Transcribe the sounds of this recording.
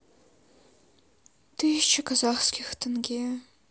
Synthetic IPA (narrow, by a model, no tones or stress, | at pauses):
tʰɨʒt͡ʃʰakʰazaχskʲʰixtʰɨnɡʲe